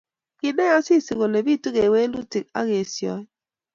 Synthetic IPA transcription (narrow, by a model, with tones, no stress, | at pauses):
ɡɪ˨nɛ˦a˦sɪ˦˨si˨ɣo˨le˨bi˦˨tu˦ɣe˨we˦lu˦tɪ˨k̚a̰˦ɣe˨sjɔ̰˨˦